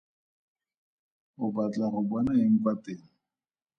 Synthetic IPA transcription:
ʊbat͡ɬʼaχʊbwanaeŋ̩pateːŋ̩

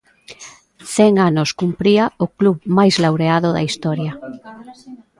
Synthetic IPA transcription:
θɛŋanʊskumpɾiaokluβmajzlawɾeaðʊðɐ̰ist̪ɔɾjɐ

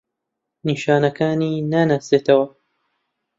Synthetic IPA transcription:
niːʃaːnɐkaːniːnanaːseːt̪ʰɐwɐ

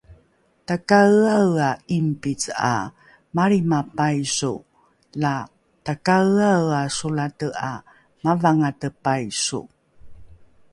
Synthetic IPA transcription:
takaawaimpit͡sa̰ | maɾimapajsu | la | takaawasulatəa | mavaŋatəpajsṵ

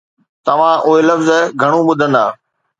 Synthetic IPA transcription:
t̪ɐʋ̤ãʔʊɦelɐfzɡʱɐɽ̃ũɓʊd̪ʱə̃nd̪aː

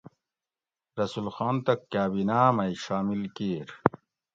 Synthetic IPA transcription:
ɾɐsulxaːnt̪ɐkːaːbinaːmɐiɕaːmilkeːɾ

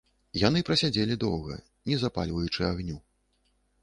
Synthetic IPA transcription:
janɨpɾɐsʲad͡zʲelʲid̪ɔwɣɐ̰ | nʲɛzapa̰lʲvɐjut͡ʂɨaɣnʲu

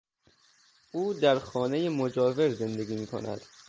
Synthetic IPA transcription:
uːd̪æɾxɒːne̞jemo̞d͡ʒɒːve̞ɾze̞nd̪e̞ɡʲiːmiːkʰo̞̰næ̰d̪̥

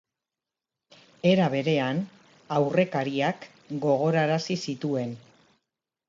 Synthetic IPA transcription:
e̞ɾaβ̞e̞ɾe̞an | awre̞kaɾiak | ɡo̞ɣ̞o̞ɾaɾasisit̪ue̞n

